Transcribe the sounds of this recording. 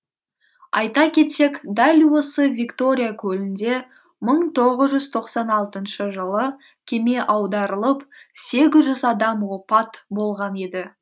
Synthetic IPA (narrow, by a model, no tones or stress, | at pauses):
ɑ̰jt̪ɑkʲʰe̞t̪se̞kd̪ælʲwo̞səvʲikt̪o̞ɾʲijakʲʰɵlɪnd̪e̞ | məɴt̪ʰo̞ʁəzʒʏzt̪ʰo̞qsɑnɑlˠt̪ənʃəʒəlˠə | kʲʰe̞me̞ʔɑwd̪ɑɾəlˠəpse̞ɡʲɪzʒʏzɑd̪ɑmwo̞pɑt̪bo̞lˠʁɑne̞d̪ɪ